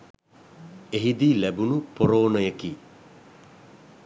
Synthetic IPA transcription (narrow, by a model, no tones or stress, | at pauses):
eɦid̪iːlæbunupoɾoːnəjəki